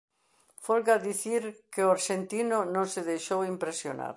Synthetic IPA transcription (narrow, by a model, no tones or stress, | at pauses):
folɣaðiθiɾkeoaɾʃent̪inonõŋseðejʃowimpɾesjo̰na̰ɾ